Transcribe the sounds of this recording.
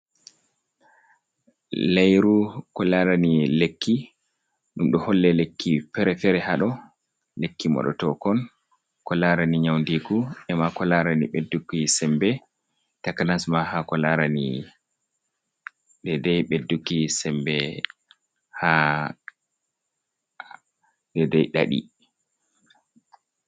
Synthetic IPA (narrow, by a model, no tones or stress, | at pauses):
lajɾukɔlaɾanilekʰːi | ɗumɗɔhɔlːɛlekːifɛɾɛfɛɾɛhaɗɔ | lekːimɔ̰ɗɔ̰tɔkɔn | kɔlaɾaniɲawndiɡuɛmakɔlaɾaniɓedːukːisɛmbɛ | takanasmahakɔlaɾanḭ | ɗɛdɛjɓedːukːisɛmbɛ | ha | ɗɛdɛjɗa̰ɗḭ